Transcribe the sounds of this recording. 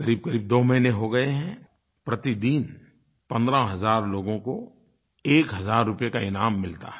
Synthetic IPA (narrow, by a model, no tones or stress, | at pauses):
kɐɾiːb̚kɐɾiːb̚d̪oːmɐɦineɦoɡɐeɦɛ̃ | pɾɐt̪id̪iːn | pɐ̃nd̪ɾaɦɐzaːɾloːɡõko | eːkɦɐzaːɾːʊpjekaɪnaːmːɪlt̪a̰ɦɛ